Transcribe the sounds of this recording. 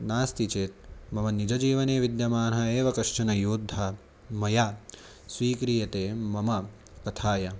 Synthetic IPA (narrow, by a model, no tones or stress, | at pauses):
naːst̪it͡ʃeːt̪̚mɐmɐnid͡ʒɐd͡ʒiːʋɐneːʋid̪jɐmaːnɦɐeːʋɐkɐʂɐnɐjuːd̪ʱːɐ | mɐjaː | sʋiːkɾijɐt̪eːmɐmɐ | kɐt̪ʰaːjɐ